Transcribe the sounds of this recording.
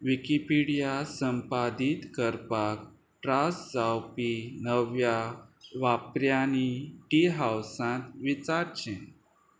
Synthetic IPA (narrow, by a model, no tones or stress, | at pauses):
ʋikipiɽijasəmpad̪it̪kəɾpak̚ | ʈɾasd͡zawpinəʋjaʋapɾjaniʈiɦawsãt̪ʋit͡saɾt͡ɕẽ